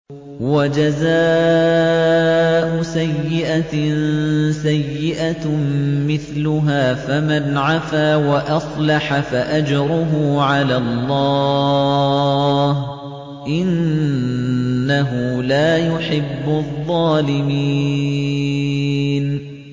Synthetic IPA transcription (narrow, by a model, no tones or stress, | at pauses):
wad͡ʒazaː | ʔʊsajːɪʔa | sajːɪʔa | mɪθlʊɦaːfamanʕafaːwaʔɑsˤlɑħafaʔad͡ʒɾˤʊɦʊʕalaːlˤːɑː | h | ʔɪn | aɦʊlaːjʊħɪbːʊðˤːɑːlɪmi | n